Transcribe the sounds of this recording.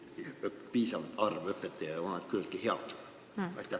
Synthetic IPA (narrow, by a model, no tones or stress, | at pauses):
øppiːsɑnt̪ɑrʋøpːet̪ːeʋɑnɑt̪kylt̪̚kiheɑlt̪ | ɑ̰it̪ːæ